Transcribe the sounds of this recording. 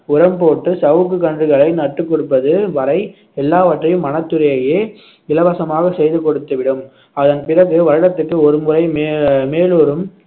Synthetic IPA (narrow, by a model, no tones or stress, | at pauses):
ʊɾɐmpoːʈːɯsɐʋɯkːɯkːɐndrɯɣɐɭɐɪnɐʈːɯkːɔɽɯpːɐðɯʋɐɾɐɪ | ɛlːaːʋɐʈrɐjɯmːɐnɐt̪ːɯɾɐjɐjeː | ɪlɐʋɐsɐmaːɣɐsɛjðɯkɔɽɯt̪ːɯʋɪɽɯm | ɐðɐnpɪrɐɣɯʋɐɾɐɽɐt̪ːɯkːɯɔɾɯmɯɾɐɪmeːmeːloːɾɯm